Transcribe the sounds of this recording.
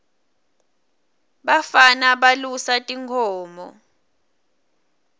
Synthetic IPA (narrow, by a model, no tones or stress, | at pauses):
ɓafanaɓalusatʼiŋkʰɔːmɔ̰